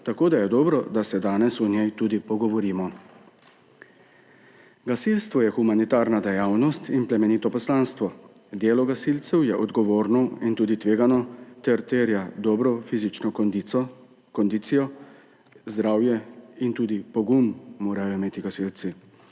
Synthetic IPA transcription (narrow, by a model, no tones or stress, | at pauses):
t̪akoːd̪ajɛd̪ɔːbɾɔd̪asɛd̪aːnɛsɔnjɛjt̪uːd̪ipɔɡɔʋɔɾiːmɔ | ɡasilst̪ʋɔjɛxumanit̪aːɾnad̪ɛjaːwnɔst̪inplɛmɛniːt̪ɔpɔslaːnst̪ʋɔ | d̪eːlɔɡasilt̪sɛwjɛʔɔd̪ɡɔʋoːɾnɔint̪uːd̪it̪ʋeːɡanɔt̪ɛɾt̪eːɾjad̪ɔːbɾɔfizit͡ʃnɔ | kɔnd̪iːt̪sijɔ | zd̪ɾaːwjɛint̪uːd̪ipɔɡumːoːɾajɔimeːt̪iɡasilt̪si